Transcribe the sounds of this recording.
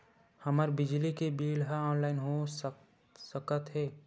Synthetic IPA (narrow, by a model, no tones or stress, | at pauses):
həməɾbɪd͡ʒlikebiːlɦəɔːnlaːɪnɦo | səkət̪ɦɛː